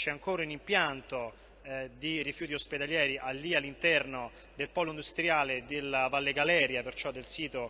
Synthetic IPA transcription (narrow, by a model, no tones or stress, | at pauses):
t͡ʃɛaŋkoːɾaunimpjant̪o | d̪irifjuːt̪iosped̪aljɛːɾiʔalːialːint̪ɛrno | d̪elpɔːloind̪ust̪ɾjaːled̪elavalːeɡalɛːɾjapert͡ʃɔd̪ːelsiːt̪o